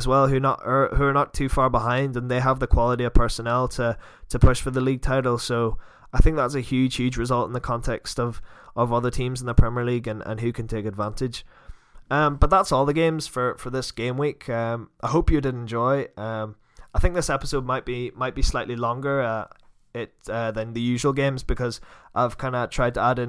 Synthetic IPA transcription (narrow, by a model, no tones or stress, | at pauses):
zwɛlˠhʉnə̰ʔə˞hʉə˞nətʰʉfaɹbɪɦãɪ̃ndə̃nðeɪəvðəkʰw̥ɔlˠəɾiəv̥pʰɜ˞sənɛlˠtʰə | tʰəpʰʊʃfə˞ðəlˠiɡ̚tʰaɪɾl̩ˠso | aɪθɪ̃ŋk̚ðatsɨhjʉd̥ʒ̥hjʉ̥d͡ʒɹɨzʌlˠtɪ̰̃n̩ðəkʰɔ̃ntʰɛkstʌv̥ʔəvʌðə˞tʰĩmz̃n̩ðəpʰɹ̥aɪmɛɹlˠiɡɨ̃nə̰̃nɦʉkʰɨ̃ntʰekɨdvãntɪd̥ʒ̥ | ʌ̃mb̥ʌt̪̚ðatsɔlˠðəɡẽmz̥fə˞fə˞ðɪsɡ̥ẽmwikʰʌ̃mʔaɪɦoʊpjɨdɪɾ̃nd͡ʒɔɪʌ̃m | aɪθɪ̃ŋk̚ðɪsɛpɪsod̚maɪʔ̚b̥imaɪʔ̚b̥islaɪʔlˠilˠɔ̃ŋɡə˞ʌ | ɪtʌðɨ̃nðɨjʉʒəwəl̩ˠɡẽmzbɪkʰʌzʔaɪv̥kʰãɪ̃ndətʰɹ̥aɪd̚tʰəaɾɨ̃